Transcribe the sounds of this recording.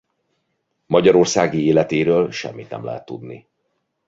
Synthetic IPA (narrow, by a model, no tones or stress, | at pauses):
mɒɟɒɾo̞rsaːɡieːlɛt̪eːɾøːlʃɛ̰mːit̪nɛ̰mlɛ̰ɦɛt̪ːud̪ni